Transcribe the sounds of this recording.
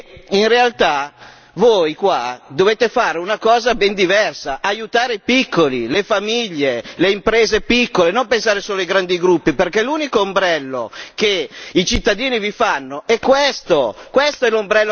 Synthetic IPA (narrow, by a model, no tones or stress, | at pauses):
inrealt̪a | voːjkwad̪oveːt̪efaːɾeunakɔːzabɛnd̪ivɛrsaʔajut̪aːɾeipikʰːolilefamiʎːeleimpɾeːzepikːolenompensaːɾesoːloiɡɾand̪iɡɾupːiperkɛluːnikoːmbɾɛlːo̰keit͡ʃit̪ːad̪iːnivifanːoɛkːwest̪okwest̪oɛlombɾɛlːo